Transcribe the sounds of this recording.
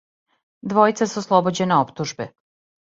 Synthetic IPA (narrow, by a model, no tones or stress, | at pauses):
d̪ʋo̞jt̪sasuoslˠobod͡ʑeneopt̪uʒbe